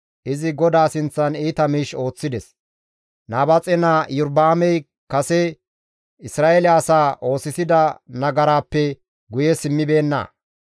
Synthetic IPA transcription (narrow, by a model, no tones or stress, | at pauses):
ʔɪzɪɡɔd̪aːsɪnt͡sːɐniːt̪ɐmiːʃo̞ːt͡sːɪd̪ɛs | naːbɐt͡sʼɛnajʊɾd̪aːmɛj | kɐsɛ | ɪsɾaːʔelɪːsaːʔo̞ːsɪsɪd̪ɐnɐɡɐɾaːpːɛ | ɡʊjɛsɪmːɪbe̞ːnːɐ̰